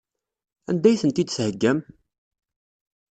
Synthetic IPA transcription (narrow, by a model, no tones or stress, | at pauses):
æ̰nd̪æjθənt̪id̪shəɡːæm